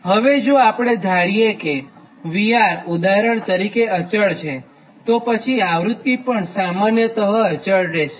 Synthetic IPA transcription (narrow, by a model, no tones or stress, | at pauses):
ɦəʋed͡ʒoapɽ̃ed̪ʱaɽijeke | ʋijaɾud̪aɾəɳt̪əɾikeət͡ʃəɭt͡ʃʰe | t̪opət͡ʃʰiaʋɾut̪ːipəɳsamanjət̪əɦəət͡ʃəɭɾeʃe